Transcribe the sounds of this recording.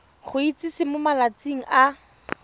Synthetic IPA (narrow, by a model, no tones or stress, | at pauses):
χʊit͡sisɪmʊmalat͡siŋ̩ʔa